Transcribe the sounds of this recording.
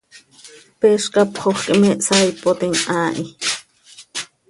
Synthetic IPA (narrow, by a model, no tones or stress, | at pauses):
peʃkɑpχoχkʼimɛʔsɑjpot̪iŋʔaːʔi